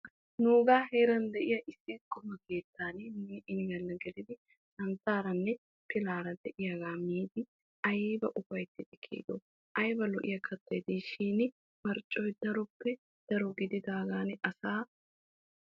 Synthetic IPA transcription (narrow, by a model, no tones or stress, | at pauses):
nuːɡaːheːɾɐnd̪ɛʔɪjɐʔɪsːɪkɔmɐke̞ːt̪ʰːaːnɪnʔɪnɪɡɐlːɐɡɛd̪ɪd̪ɪ | sɐnt̪aːɾɐnːɛ | pɪlaːɾɐd̪ɛʔɪjɐɡaːmiːd̪ɪ | ɐjːbɐʔʊfɐjt̪ːɪt̪ɪkʰːḭːd̪o | ʔɐjbɐlɔʔɪ̰jɐkʰɐt̪ːɔjd̪iʃiːnɪ | mɐɾt͡ʃʼːɔjd̪ɐɾɔpːɛ | d̪̥ɐɾɔɡɪd̪ɪd̪aːɡaːnɪʔɐsaː